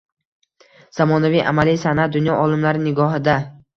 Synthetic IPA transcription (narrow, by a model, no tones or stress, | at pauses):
z̥amɒnavijʔa̰malijsanat̪̚d̪ʊnjɒʔɒlˠɪmlaɾɪnɪɡɒɦɪd̪a